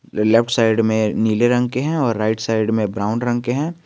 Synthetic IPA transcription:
lɛfʰʈʰsaɪɖmẽniːleɾɐ̃ŋɡkeɦɛ̃ɔːɾːaɪʈsaɪɖmẽbɾaːʊnɾɐ̃ŋɡkeɦɛ̃ː

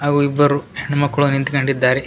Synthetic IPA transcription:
ɦaːɡuibːɐɾuheɳːumɐkːɐɭunint̪ikɐɳɖid̪ːaːɾe

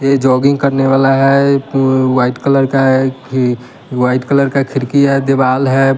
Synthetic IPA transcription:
jed͡ʒɔːɡɪ̃ŋɡkəɾneʋaːlaɦɛ | waːɪʈkələɾka | waːɪʈkələɾkakʰɪɾkiɦɛd̪ebaːlɦɛ

